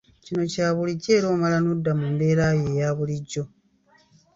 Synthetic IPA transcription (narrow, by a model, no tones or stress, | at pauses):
cino̞caːβuliɟːe̞ːɾo̞ːmalanudːamunde̞ːɾaːje̞ːjaːβuliɟːo̞